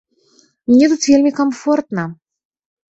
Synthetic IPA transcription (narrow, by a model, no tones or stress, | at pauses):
mnʲɛt̪ut̪vʲelʲmʲikamfɔrt̪nɐ